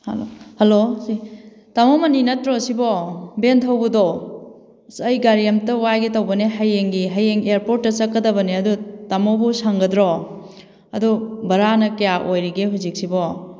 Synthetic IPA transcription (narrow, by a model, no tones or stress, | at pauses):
hlohɐlosi | tamɔmɐninɐtɾɔsibɔbentʰɐwbɐdɔ | sɐjɡaɾijɐmtɐwajɡetowbɐneɦajeŋɡiɦajeŋeɾpoɾt̚ːɐt͡ʃɐkːɐdɐbɐneɐdutamobusaŋɡɐdɾɔ | ɐdubɐɾanɐkɐjaʔojɾiɡeɦuzik̚sibɔ